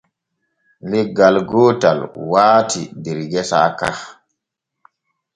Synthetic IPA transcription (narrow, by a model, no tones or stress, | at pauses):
lɛɡalɡɔːtalwaːtidɛɾɡɛsa̰ːka̰h